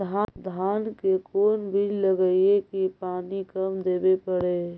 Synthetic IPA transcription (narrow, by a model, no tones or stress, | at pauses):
ad̪ʱaːnkekoːnbʱilləɡəiekipaːnikəmd̪eːbepəɽe